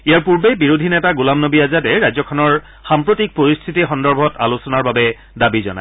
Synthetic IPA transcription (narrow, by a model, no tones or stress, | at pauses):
ijaɹpuɹbejbiɹodʱinɛtaɡulamnobiazatɛɹajzɔkʰɔnɔɹ | xampɹotik̚poɹist̪ʰitixɔndɔɹbʱɔtalusɔnaɹbabɛ | dabizɔ̰na̰j